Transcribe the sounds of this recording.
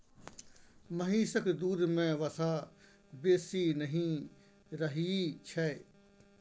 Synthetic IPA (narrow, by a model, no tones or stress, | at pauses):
mɐɦĩːsəkd̪uːɾmẽːʋɐsaː | beːsiːnəɦĩ | ɾɐɦit͡ʃʰɛ